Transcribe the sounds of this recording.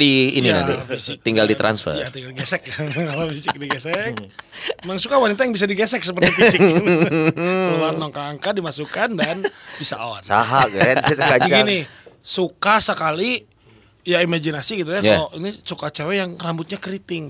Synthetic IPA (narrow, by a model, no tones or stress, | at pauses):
dḭːnina̰fisɪk̪̚iŋɡaldit̪ɾa̰nsfə̰jat̪iŋɡalɡɛsɛk̚jakalofisɪk̚diɡɛsɛkmaŋsukawanit̪ajaŋbis̬adiɡesɛk̚səpərt̪ifisɪk | anɔŋkaːŋkadimasukandanbisa̰ʔa̰nsa̰ɦaɡat̪kaɡinisukasəkali | jaimad͡ʒinasiɡit̪̬ujakaoʔinisukat͡ʃawajaŋrambʊt̪̚ɲakɾit̪ɪŋ